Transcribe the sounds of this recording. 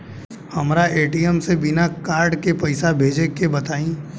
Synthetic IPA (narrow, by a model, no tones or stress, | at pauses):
hɐmɾaʔeːʈijəmsebɪnakaːɾɖkepɐɪsabʱeːd͡ʒekebɐt̪aːĩː